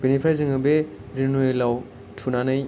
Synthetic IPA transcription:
b̥enipʰɾajzɯŋɯbe | ɾinojlaw | tʰunanɯj

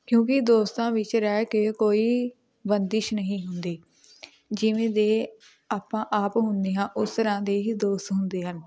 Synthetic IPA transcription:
kjõːkɪd̪oːst̪ãːʋɪt͡ʃɾɛːkekoːiː | bənd̪ɪʃnəɦĩːɦʊnd̪eː | d͡ʒɪʋẽːd̪eː | aːpãːʔaːpɦʊnd̪eːɦãːʔʊst̪əɾãːd̪eːɦiːd̪oːst̪ɦʊnd̪eːɦən

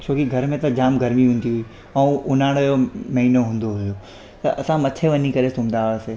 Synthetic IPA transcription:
t͡ɕʰoːkiɡʱɐɾmẽt̪ɐd͡ʑaːmɡʱɐɾmiɦũːn̆d̪iɦui | ɐ̃ũʊnaːɽ̃ojomɐɦiːnoɦũːnd̪oɦʊjo | t̪ɐʔɐsãmɐt̪ʰeʋɐɲikɐɾesũːmd̪aːɦseː

